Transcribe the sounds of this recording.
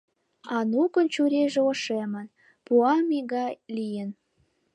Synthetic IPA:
ɑnukənt͡ɕuɾʲeʒeoʃemə̆n | puɑmiɣɑjlijən

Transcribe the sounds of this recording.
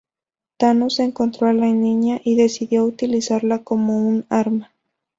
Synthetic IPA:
t̪anoseŋko̞nt̪ɾoalaniɲaʔiðe̞siðjo̞ut̪ilisaɾlako̞mo̞unaɾma

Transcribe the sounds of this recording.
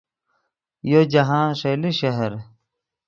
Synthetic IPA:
jod͡ʑɐɦãːnʂeːliɕɐɦɐɾ

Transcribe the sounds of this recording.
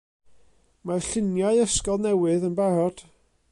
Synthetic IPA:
marɬɪnjaɨəskɔlˠnɛwɨðənbaɾɔd̥

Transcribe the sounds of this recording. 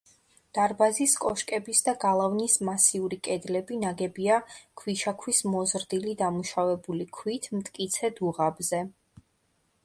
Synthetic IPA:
d̪̥aɾbaziskʼɔʃkʼɛbisd̪aɡalˠavnismasiuɾikʼɛd̪lɛbinaɡɛbiakʰwiʃakʰwismɔzɾd̪ilid̪amuʃavɛbulikʰwit̪ʰmt̪ʼkʼit̪sʰɛd̪uʁabzɛ

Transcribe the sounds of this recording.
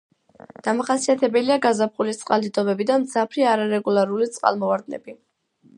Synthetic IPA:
d̪̥amaχasiat̪ʰɛbɛliaɡazapχulit̪sʼqʼalˠd̪id̪ɔbɛbid̪amd̪zapʰɾiaɾaɾɛɡulˠaɾulit̪sʼqʼa̰lˠmɔvaɾd̪nɛ̰bi

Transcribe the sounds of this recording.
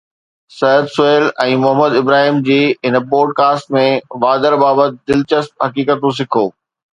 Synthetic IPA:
sɐjəd̪sʊeːlɛ̃ːmʊɦəməd̪ɪbɾaːɦiːmd͡ʑiːɪnpoːɖ̚kaːsʈmẽʋaːd̪əɾbaːbət̪̚d̪ɪlt͡ɕəsp̚ɦɐkiːkət̪ũs̬ɪkʰoː

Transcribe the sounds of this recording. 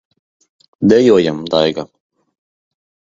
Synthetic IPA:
d̪ɛjuɔjamd̪ajɡa

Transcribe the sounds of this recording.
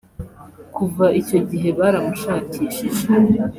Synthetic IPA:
kuvaʔico̞ɟiɦe̞βaːɾamuʃaːciʃiʒ

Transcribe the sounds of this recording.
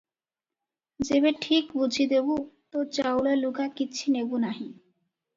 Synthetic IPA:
d͡ʑeβeʈʰikbud͡ʑʱid̪ebut̪ot͡ɕawlalukakiːt͡ɕʰinebunaɦĩ

